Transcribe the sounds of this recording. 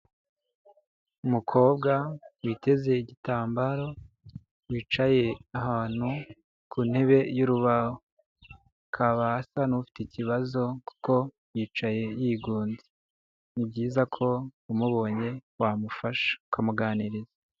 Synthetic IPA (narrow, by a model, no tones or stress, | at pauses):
umukʰo̞ːbɡawite̞ze̞iɟitaːmbaɾo̞ | wiːt͡ʃaje̞ahaːn̥hu | kuːn̥he̞βe̞juɾuβaho | kʰaβaːsanufi̥teciβazo̞ku̥ko̞ | jiːt͡ʃaje̞jiːɡuːnzi | nib̚ɟiːzakʰo̞umuβo̞ɲe̞wamufaʃḁukʰamuɡaːniɾiza